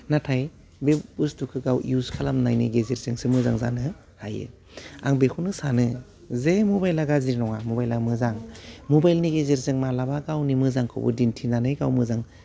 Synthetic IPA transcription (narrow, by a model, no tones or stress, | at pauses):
natʰaj | bebustukʰɯɡawjuskʰalamnajnḭɡezeɾzɯŋsɯmɯzaŋza̰nɯ | hajɯ̰ | a̰ŋbekʰunɯsanɯ | zemobajlaɡaziɾnɔŋamobajlamɯzaŋmobajlniɡezeɾzɯŋmalabaɡawnimɯzaŋkʰɯ̰bɯ̰dintʰinanɯjɡawmɯzaŋ